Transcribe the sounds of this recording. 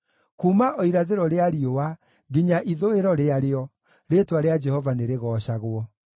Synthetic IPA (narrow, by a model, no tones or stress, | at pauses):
kuːmaʔoiɾaðeɾɔɾeaɾiowa | ɡiɲaʔiðoeɾɔɾeaɾeɔ | ɾeːtwaɾead͡ʒɛhɔvaneɾeɣɔːɕaɣwɔ